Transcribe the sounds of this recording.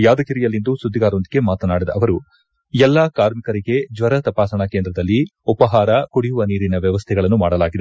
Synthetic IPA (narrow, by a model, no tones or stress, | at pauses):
jaːd̪ɐkiɾijɐlːind̪usud̪ʱːiɡaːɾond̪iɡe̞maːt̪ɐnaːɽid̪ɐ̰ɐʋɐɾu | ɛlːakaːɾmikɐɾiɡe̞d͡ʒʋɐɾɐt̪ɐpaːsɐɳɐkeːnd̪ɾɐd̪ɐlːiupɐɦaːɾɐkuɽijuʋɐniːɾinɐʋjɐʋɐst̪ʰɛɡɐɭɐnːumaːɽɐlaːɡid̪e